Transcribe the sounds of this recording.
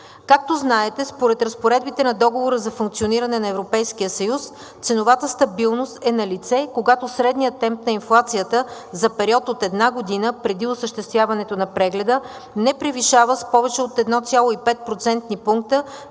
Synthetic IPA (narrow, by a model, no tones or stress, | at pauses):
kak̚t̪oznaɛt̪ɛspoɾɛt̪ɾəspoɾɛd̪̚bit̪ɛnɐd̪ɔɡovoɾəzɐfuŋk̚t̪sioniɾɐnɛnɐɛvɾopɛjskijəsɐjus | t̪sɛnovat̪əst̪ɐbilˠnost̪ɛnɐlit̪sɛkoɡat̪osɾɛd̪nijət̚nːɛmp̚nɐinflˠat̪sijət̪əzɐpɛɾiɔt̪ot̪ɛd̪naɡod̪inəpɾɛd̪iosəʃt̪ɛst̪vʲjavɐnɛt̪onɐpɾɛɡlɛd̪ə | nɛpɾiviʃavəspɔvɛt͡ʃɛot̪ɛd̪nɔt̪sʲjalˠoipɛt̪̚pɾot̪sɛnt̪nipuŋk̚t̪ə